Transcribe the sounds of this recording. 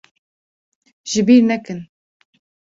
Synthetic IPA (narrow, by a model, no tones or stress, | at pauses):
ʒɪbiːɾnɛkɨn